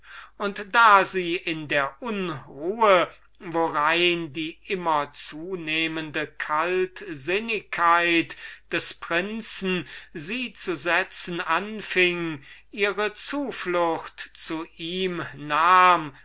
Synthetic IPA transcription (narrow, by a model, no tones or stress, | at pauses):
ʔʊntd̥aːziːʔɪndeːɐʔʊnʁuːə | voʁaɪndiːʔɪmɐt͡suːneːməndəkʰaltzɪnɪkʰːaɪtd̥ɛspʁ̥ɪnt͡sn̩ziːt͡suzɛt͡sn̩ʔanfɪŋʔiːʁət͡suːflʊxtt͡suʔiːmnaːm